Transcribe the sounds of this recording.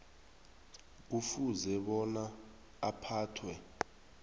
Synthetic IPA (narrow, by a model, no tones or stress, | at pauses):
ufuzɛɓɔnaː | pʰaːtʰwɛ